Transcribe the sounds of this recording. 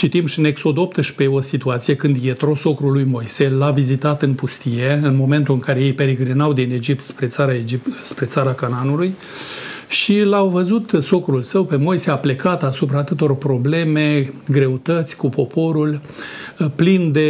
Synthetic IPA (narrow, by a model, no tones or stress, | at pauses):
t͡ʃit̪imʃine̞kso̞d̪opt̪əʃpe̞o̞sit̪uat̪sijekɨnd̪je̞t̪ɾo̞so̞kɾulːujmo̞jselavizit̪at̪ɨnpust̪ije̞ɨnmo̞me̞nt̪ulɨŋkaɾe̞je̞jpe̞ɾeɡɾinawd̪ine̞d͡ʒip̚t̪spɾe̞t̪saɾaed͡ʒipspɾe̞t̪saɾakananuluj | ʃilawvəzut̪so̞kɾulsəwpe̞mo̞jseaplekat̪asupɾaːt̪ɨt̪o̞rpɾo̞ble̞me̞ɡɾe̞ut̪ət̪sʲkupo̞po̞ɾul | plind̪e